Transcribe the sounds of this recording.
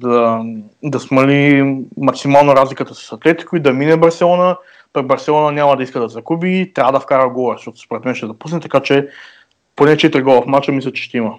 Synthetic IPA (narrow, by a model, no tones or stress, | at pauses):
d̪ɐ | d̪ɐsmɐlimɐksimalˠnoɾazlikət̪əsi̥sɐt̪lɛt̪i̥koʊid̪ɐminɛbɐɾsɛlˠɔnə | pɐɡbɐɾsɛlˠɔnɐnʲamɐd̪ɐiskəd̪ɐzɐɡubit̪ɾʲavəd̪ɐfkaɾəɡɔɛʃt̪ɔt̪ʊ̥spoɾɛt̪mɛnʃt̪ɛd̪ɐpusnɛt̪ɐkat͡ʃɛ | ponɛt͡ʃɛt̪ɾiɡɔlˠɐfmat͡ʃəmislʲɐt͡ʃɛ̥ʃt̪ɛimɐ